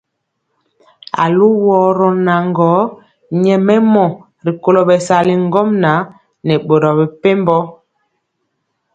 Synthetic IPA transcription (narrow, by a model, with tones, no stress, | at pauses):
a̰˨lu˦wɔː˨˦ɾɔ˨˦na˨ŋɡɔ˨˦ | ɲɛ˨mɛ˦mɔ˨ | ɾi˨ko˦˨lo˨ɓɛ˨sa˨li˨ŋ˦ɡɔ˦mna˨˦ | nɛ˨ɓo˨ɾɔ˨bɛ˨pe˦mbɔ˦